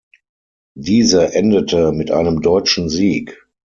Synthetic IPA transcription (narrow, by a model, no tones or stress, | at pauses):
diːzɐʔɛndətəmɪtʔa̰ɪnəmdɔʏt͡ʃn̩ziːk